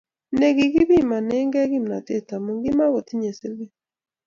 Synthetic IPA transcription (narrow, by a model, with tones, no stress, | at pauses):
ne˨ɣi˨ɣi˦βi˦˨ma˨nɛ˦ŋɡɛ˦ɣi˦m˨na˨te˦˨ta˨mu˨ŋɡi˦ma˦ɣo˨ti˦ɲe˨se˦le˦